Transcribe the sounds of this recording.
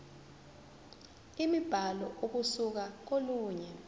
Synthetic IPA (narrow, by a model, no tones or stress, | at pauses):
imib̥ʱalɔʔok̬usuk̬ak̬oluːɲɛ